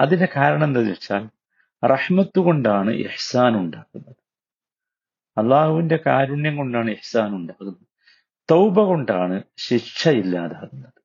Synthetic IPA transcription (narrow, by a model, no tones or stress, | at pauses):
ɐðinde̞kaːɾɐɳɐend̪ɐʋet͡ɕːaːl | rɐħmɐt̪ːuɣo̞ɳɖaːɳɨ̰ʔḭħsaːnuɳɖaːɣunːɐðɨ | ɐlˠːaːhuʋinde̞kaːɾuɳjɐŋko̞ɳɖaːɳɨiħsaːnuɳɖaːɣunːɐðɨ | t̪owbɐɣo̞ɳɖaːɳɨɕit͡ʃʂʰɐilːaːðaːɣunːɐðɨ